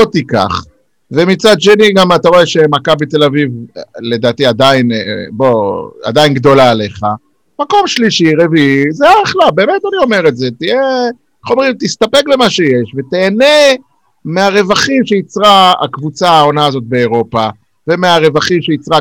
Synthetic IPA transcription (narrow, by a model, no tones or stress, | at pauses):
ot̪ika̰χ | ve̞mit͡sad̪ʃe̞niɡamat̪aʁo̞e̞ʃemakabit̪e̞lavivle̞d̪aːt̪iad̪ainbo̞a̰d̪ainɡd̪o̞laːle̞χa | mako̞mʃliʃiʁeviizeaχlabe̞ːmet̪anio̞me̞ʁetzet̪ije | χomeʁimt̪ist̪ape̞klemaʃejeʃvet̪eːne̞ | meaʁe̞vaχimʃeit͡sʁaa̰kvut͡saao̞naːzo̞t̪̚be̞ːʁo̞pa | ve̞meaʁe̞vaχimʃeit͡sʁa